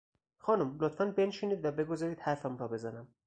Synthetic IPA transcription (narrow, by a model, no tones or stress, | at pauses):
xɒːnumlot̪fænbe̞nʃeniːd̪væbe̞ɡozɒːɾiːd̪hæɾfæmuɾɒːbe̞zænæm